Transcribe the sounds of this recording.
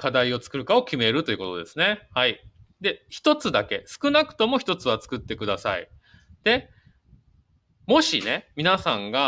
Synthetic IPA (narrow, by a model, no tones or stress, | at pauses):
kad̪aio̞t͡sɨ̥kɯ̟ɾɯ̟kao̞kʲime̞ɾɯ̟t̪o̞iɯ̟kot̪o̞d̪e̞sɨne̞hai | d̪e̞çi̥t̪o̞t͡sɨd̪ake̞sɨ̥kɯ̟nakɯ̟̥t̪o̞mo̞çʲi̥t̪o̞t͡sɨβ̞at͡sɨ̥kɯ̟t̪ːe̞kɯ̟d̪asa̰ḭ | d̪̥e̞ | mo̞ɕine̞mʲinasãŋɡa